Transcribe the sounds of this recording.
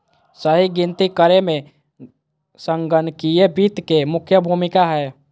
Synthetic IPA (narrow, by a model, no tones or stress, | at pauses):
səɦiɡɪ̃nt̪ikəɾemẽ | sə̃ŋɡənkijebiːt̪kemʊkʰjəbʱuːmɪkaɦɛː